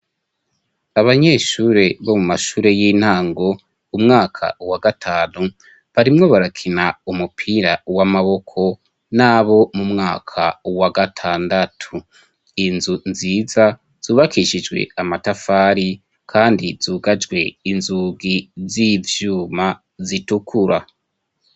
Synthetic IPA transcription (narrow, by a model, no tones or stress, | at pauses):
aβaɲe̞ːʃuːɾe̞βo̞mumaʃuːɾe̞jiːn̥haːŋɡo̞ | umŋaːkʰa̰uwaɡatʰaːnu | βaɾimŋo̞βaɾakʰinaumupʰiɾawamaβo̞kʰo̞ | naːβo̞mumŋaːkʰawaɡatʰaːndatʰu | inzunziːza | z̥uːβakiʃid͡ʒɡwe̞̰amatafaːɾi | kʰaːndiz̥uːɡad͡ʒɡwe̞inzuɡizivjuːma | zitukʰuɾa